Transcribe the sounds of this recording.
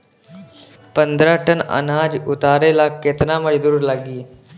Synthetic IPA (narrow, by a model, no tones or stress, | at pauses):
pənd̪ɾaʈənə̰naːd͡ʒʊt̪aːɾelaket̪naːməd͡ʒd̪uːɾlaɡiː